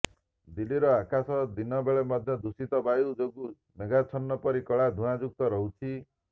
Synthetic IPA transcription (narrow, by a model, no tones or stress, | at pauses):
d̪iliɾɔakasɔd̪inɔbeɭemɔd̪ʱjɔd̪usit̪ɔbajud͡ʒoɡu | meɡat͡ʃʰɔnːɔpɔɾikɔɭad̪ʱuãd͡ʒuk̚t̪ɔɾɔɦut͡ʃʰi